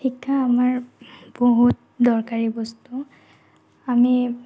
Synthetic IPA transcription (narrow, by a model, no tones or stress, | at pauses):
ikʰːaːmaɹb̥oɦut̚dɔɹkaɹibɔstu | ami